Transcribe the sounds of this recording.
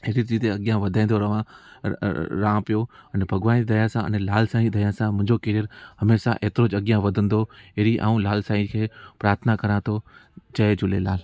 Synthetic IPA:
ɪɾit͡ɕiːt̪eɐɠijãʋɐd̪ʱãːĩnd̪oɾɐʋã | ɾãːpijoɐnbʱɐɡʋãːd̪ɐjãsãɐ̰nlaːlsaːĩd̪ʱɐjãsãmʊ̃ɦɪ̃ɲd͡ʑokeːɾiəɾɦɐmeːʃa̰ʔeːt̪ɪɾod͡ʑɐɠjãʋɐd̪ʱə̃nd̪oɦeɾiʔã̰ːũlaːlsaːĩkʰeːpɾaːɾt̪ʰnakɐɾãt̪ʰod͡ʑɐed͡ʑʊlelaːl

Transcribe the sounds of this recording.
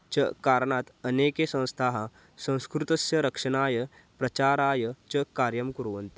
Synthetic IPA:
t͡ʃɐkaːɾɳaːt̪ɐneːkesɐ̃w̃st̪ʰaːɦɐ | sɐ̃w̃skɾut̪ɐsjɐɾɐkʂɐnaːjɐ | pɾɐt͡ʃaːɾaːjɐt͡ʃɐkaːɾjɐmkuɾʋɐnt̪i

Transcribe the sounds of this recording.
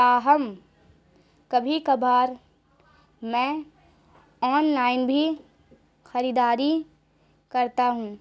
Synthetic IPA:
t̪aːɦɐm | kɐbʱikɐbʱaːɾ | mɛ̃ː | ɔːnlaːɪnbʱi | xɐɾid̪aːɾi | kɐɾt̪aɦũː

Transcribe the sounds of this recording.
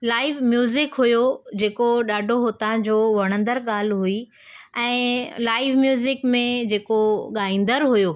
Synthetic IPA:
laːɪʋmjuːzɪkɦujod͡ʑeːkoɗaːɖʱoɦot̪ãd͡ʑoːʋɐɽ̃ə̃nd̪əɾɠaːl̤ɦui | ɛ̃ːlaːɪʋmjuːzɪkmẽd͡ʑeːkoɠaːĩːnd̪əɾɦujo

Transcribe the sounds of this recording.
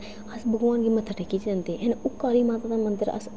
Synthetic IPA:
ɐsbʱɐɡʋaːnkimɐt̪ʰːəʈʰɐkit͡ʃãːnd̪eʔenʊkːaːɾimaːt̪aːd̪amɐ̃nd̪əɾɐ̰s

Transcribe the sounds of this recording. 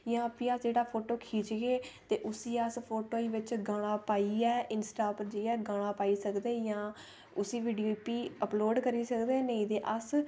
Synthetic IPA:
jãːpĩːəsd͡ʒeːɽaːpʰoːʈoːkʰiːt͡ʃɡeːt̪eːʔʊsiːəspʰoːʈoːiːʋɪt͡ʃɡaːɽ̃ãːpaːiːɛːʔɪnsʈaːpəɾd͡ʒeːɛːɡaːɽ̃aːpaːiːsəkd̪ẽːjãː | ʊsiːʋiːɖijoːpiːəploːɖkəɾiːsəkd̪ẽːneĩːd̪eːʔəs

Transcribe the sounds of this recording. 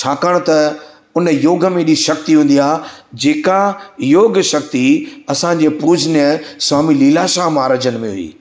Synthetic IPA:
t͡ɕʰaːkəɽ̃t̪ɐ | ʊnəjoːɡʱə̆mẽɗiʃɐk̚t̪iɦũːn̆d̪iaːd͡ʑeːkajoːɡʃɐk̚t̪iɐsãɲd͡ʑeːpuːd͡ʑnjəswaːmiliːlaːʃaːɦmaːɾəd͡ʑənɪmẽɦʊ̰ḭː

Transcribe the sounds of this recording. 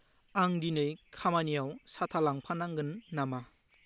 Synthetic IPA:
aŋdinɯjkʰamanijawsatʰalaŋpʰanaŋɡɯnːama

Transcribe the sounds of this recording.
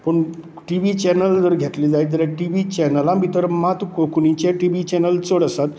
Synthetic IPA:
pəɳ | ʈiʋit͡ɕɛnəld͡zəɾɡʱet̪lid͡zajit̪əɾaʈiʋit͡ɕɛnəlãbʱit̪əɾmat̪ukokunĩt͡ɕaʈiʋit͡ɕɛnəlt͡səɽəsat̪

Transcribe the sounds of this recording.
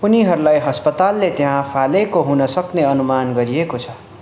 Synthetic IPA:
puniɦʌɾulajɦʌspʌt̪alːet̪eɦãpʰalekoɦunʌsʌkneʌnumanɡʌɾiekot͡sʰʌ

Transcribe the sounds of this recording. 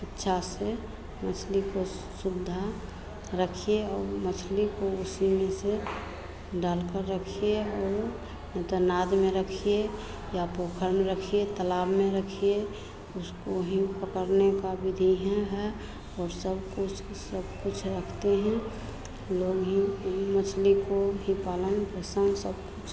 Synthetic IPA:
ɪtːʃʰase | mət͡ʃʰliko | sʊd̪ʱa | ɾəkʰijeɔːɾmət͡ʃʰlikoʊsimese | ɖaːlkəɾːəkʰijeɔːɾ | nɛ̃t̪onaːd̪mẽɾəkʰie | japokʰəɾmeɾəkʰiet̪əlaːbmẽɾəkʰije | ʊskoɦĩpəkəɾnekabɪd̪ʱiɦɛ̃ɦɛ | ɔːɾsəbkʊt͡ʃʰ | səb̚kʊt͡ʃʰɾəkʰt̪eɦɛ̃ | loːɡɦĩmət͡ʃʰlikoɦĩpaːlənpɾəsənsəb̚kʊt͡ʃʰ

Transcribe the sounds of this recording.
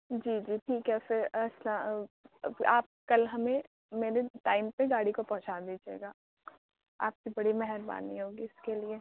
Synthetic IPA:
d͡ʒiːd͡ʒiːʈʰiːkɦɛfɪɾɐslã | aːp̚kɐlɦɐmẽ | meːɾeʈaːɪmpeɡaːɽikopɐ̃ɦʊ̃t͡ʃaːd̪id͡ʒḛːɡaː | a̰ːp̚kibɐɽimɛɦɛɾba̰ːniɦoːɡiɪskelie

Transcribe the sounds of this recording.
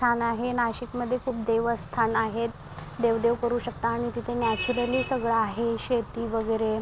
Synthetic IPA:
anaɦenaɕikməd̪ʱːjekʰuːp̚d̪eʋəst̪ʰanaɦet̪ | d̪eʋd̪eʋkəɾuːɕəkt̪aːɽ̃it̪it̪ʰenjat͡ɕuɾəliːsəɡɭaːɦeɕet̪iːʋəɡəjɾe

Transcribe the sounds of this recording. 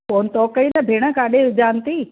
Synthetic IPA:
koːnt̪ɔːkəinɐbʱeːɽ̃əkaːɗeʊd͡ʒaːnt̪iː

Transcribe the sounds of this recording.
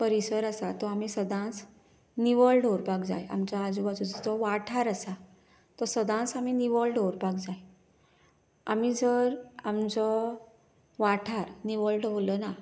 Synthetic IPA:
pəɾisəɾəsat̪ɔamisəd̪ʱãt͡s | niʋəlɖʱoɾpakd͡za̰ja̰mt͡ɕaad͡zuʋat͡sɔd͡zɔd͡zɔʋaʈʰaɾəsa | t̪ɔsəd̪ʱãt͡saminiʋəlɖoɾpakd͡zaj | a̰mid͡zəɾamd͡zɔ | ʋaʈʰaɾniʋəɭɖʋoləna

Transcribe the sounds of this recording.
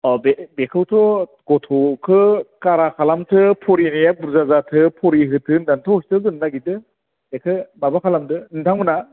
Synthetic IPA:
ɔbebekʰɯwtʰɔ | ɡɔtʰɔkʰɯkaɾakʰalamtʰɯpʰɔɾinijabuɾzazatʰɯpʰɔɾiɦɯtʰɯndantʰɔɔstɯzɯnːaɡitɯ | ekʰɯbabakʰalamtɯɯntʰaŋmɯna

